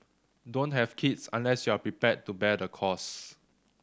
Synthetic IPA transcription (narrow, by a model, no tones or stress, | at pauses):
dõntɦɛvkʰitsã̰nlɛsjuapɹipɛt̚tːubɛdəkʰɔs